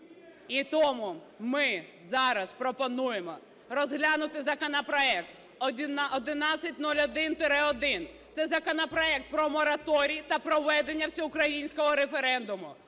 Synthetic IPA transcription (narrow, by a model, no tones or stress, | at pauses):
it̪ɔmʊ | mɪzɑɾɐspɾɔpɔnujemɔ | rɔzɦlʲanʊt̪ɪzɐkɔnɐpɾɔɛk̚t̪ | ɔdʲnɔd̪ɪnɑt͡sʲːɐtʲnulʲɔd̪ɪnt̪ɪɾɛɔd̪ɪnt̪sɛzɐkɔnɐpɾɔɛk̚t̪̚pɾɔmɔɾɐt̪ɔɾʲijit̪ɐpɾɔʋɛd̪enʲːɐwsʲɔʊkɾɐjinʲsʲkɔɦɔɾefeɾɛnd̪ʊmʊ